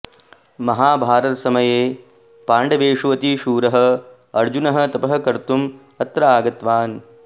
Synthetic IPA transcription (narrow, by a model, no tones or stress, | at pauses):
mɐɦaːbʱaːɾɐt̪sɐmɐjeː | paːɳɖɐʋeːʂuʋɐt̪iʃuːɾɐɦɐ̆ | ɐɾd͡ʒunɐɦɐ̆t̪ɐpɐɦɐ̆kɐɾt̪um | ɐt̪ɾɐaːɡɐt̪ʋaːn